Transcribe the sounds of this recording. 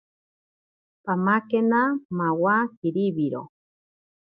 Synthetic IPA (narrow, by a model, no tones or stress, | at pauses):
pamakenamawakiɾiβiɾo̰